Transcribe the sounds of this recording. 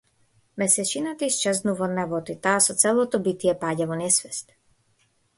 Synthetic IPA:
mɛsɛt͡ʃinat̪ist͡ʃɛzd̪nuvɔd̪navɔt̪it̪aːsɔt̪sɛlɔt̪ɔbit̪iɛpaːɟʲɛvɔnɛsvɛst̪

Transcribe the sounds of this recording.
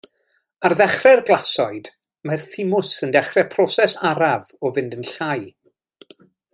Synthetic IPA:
arðɛχrɛrɡlˠasɔɨd̥ | marθɪmʊsəndɛχrɛpʰrɔsɛsaɾavɔvɪndənɬaj

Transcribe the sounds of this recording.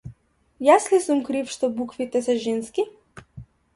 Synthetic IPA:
jaslisumkɾifʃt̪ɔbukvit̪ɛsɛʒɛnski

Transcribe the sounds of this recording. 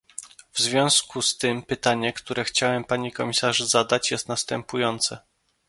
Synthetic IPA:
vzvʲjɔ̃w̃skust̪ɘmpɘt̪aɲɛkt̪uɾɛxt͡ɕawɛmpaɲikɔmʲisaʐzad̪at͡ɕjɛst̪nast̪ɛmpujɔnt̪sɛ

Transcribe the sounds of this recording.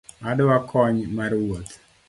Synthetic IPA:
adwakʰɔɲmarwot̪

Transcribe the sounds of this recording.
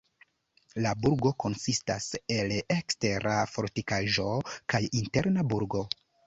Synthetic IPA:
labuɾɡo̞ko̞nsista̰se̞lekste̞ɾʔafo̞ɾtikaʒo̞kajinte̞ɾnabuɾɡo̞

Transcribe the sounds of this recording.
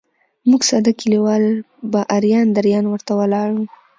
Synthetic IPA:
muɡsɑd̪akiliwɑl | baʔaɾjɑnd̪aɾjɑnwəɾt̪awəlɑɽu

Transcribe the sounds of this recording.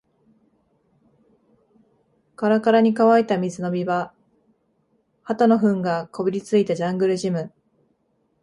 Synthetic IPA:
kaɾakaɾaɲ̟ikaβait̪amʲizɨno̞bʲiba | hat̪ano̞ɸɯ̟̃ŋɡako̞bʲiɾʲit͡sɨit̪ad͡ʑãŋɡɯ̟ɾɯ̟ʑimɯ̟

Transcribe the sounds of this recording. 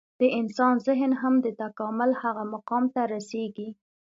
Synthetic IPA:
d̪̥əʔɪnsɑnzɪɦnɦamd̪ət̪akɑmʊlhaɣamaqɑmt̪aɾaseɡi

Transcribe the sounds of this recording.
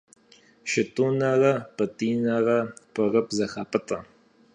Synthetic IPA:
ʃɪtʼuːnaʁɐpʼɨtʼiːnaʁɐpʰʼəʁəpzɐxaːpʼɨtʼɐ̰

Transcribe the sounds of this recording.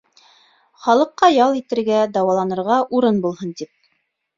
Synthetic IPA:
χɑlˠɤ̆qːɑjɑlˠit̪ɘ̆ɾɡæd̪ɑwɑlˠɑnɤ̆ɾʁɑʔuɾɤnbulˠhɤnt̪ip̚

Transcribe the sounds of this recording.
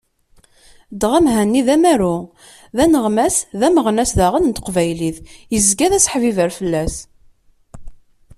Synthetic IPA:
d̪ʁæmɦænːiðæmæɾu | ðænəʁmæsðæməʁnæsðæʁənnt̪əqvæjliθjəzɡæðæsħvivəɾfəlːæs

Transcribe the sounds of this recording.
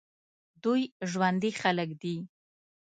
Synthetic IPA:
d̪ujʒwand̪ixaləkd̪i

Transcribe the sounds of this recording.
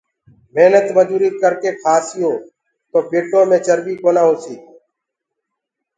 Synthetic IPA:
meːnət̪məd͡ʒuːɾiːkəɾkeːkʰaːsijoː | t̪oːpeːʈːoːmẽːt͡ʃəɾbiːkoːnãːɦoːsḭː

